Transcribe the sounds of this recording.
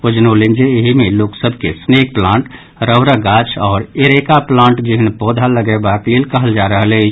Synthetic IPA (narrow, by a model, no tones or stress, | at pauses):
pʊd͡ʒnolɪ̃nd͡ʒeɦimẽloːksəbʱkḛsneːk̚plãːɳʈ | ɾəʋɾəɡaːt͡ʃʰɔːɾeɾekaplãːɳʈd͡ʒiɦnpɔːd̪ʱaləɡebakilkəɦəld͡ʒaɾəɦle